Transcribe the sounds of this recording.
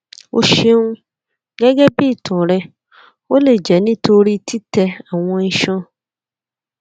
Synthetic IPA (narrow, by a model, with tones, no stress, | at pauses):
o̰˦ʃe˦nũ˦ | ɡɛ˦ɡɛ˦biː˦˨tʰɔ̃˨ɾɛ˧ | o˦le˨d͡ʒɛ˨nĩ˦to˧ɾi˦ti˦tɛ˧a˨w̃ɔ̃˧n̩˦ʃɔ̃˦